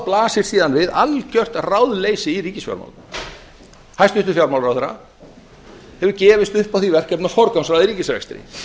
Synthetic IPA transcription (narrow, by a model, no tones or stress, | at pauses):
plaːsɪɾ̥siːðanvɪðalcœr̥t̪rawðleːjsɪiɾiːcɪsfja̰ɾma̰l | hajst̪ʏht̪ʏfjawɾmawlɾawθɛɾa̰ | hɛvʏɾcɛːvɪst̪ʏhpawθivɛr̥cɛpnafɔɾkamsɾaðiɾiːcɪsɾɛ̰kst̪ɾɪ̰